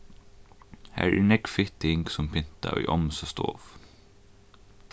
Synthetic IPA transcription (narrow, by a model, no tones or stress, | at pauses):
hæ̰ːɹɛːɹnɛkfɪt̪ɪŋɡsɔmpʰɪnt̪a̰ʔœːʔɔmsast̪o̰ːf